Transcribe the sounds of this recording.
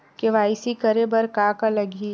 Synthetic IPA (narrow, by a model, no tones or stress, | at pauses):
keʋaːɪsikɐɾebɐɾkaːkalɐɡi